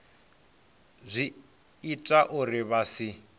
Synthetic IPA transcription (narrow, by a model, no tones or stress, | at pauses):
zʷiː | tʼaʔuriβasi